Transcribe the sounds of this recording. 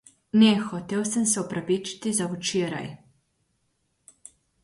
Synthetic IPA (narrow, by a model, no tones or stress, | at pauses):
nɛxot̪ewsamsɛopɾapit͡ʃi̥t̪izaut͡ʃeɾa̰j